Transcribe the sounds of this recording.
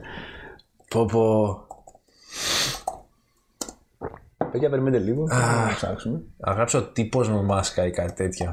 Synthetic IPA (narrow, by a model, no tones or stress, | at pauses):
popo | pecɐɐpeɾimend̪eliɣosɐ̰ksumeɐ̰ɣɐpseot̪ipo̞zmemɐskɐikɐt̪i̥t̪e̞t̪ço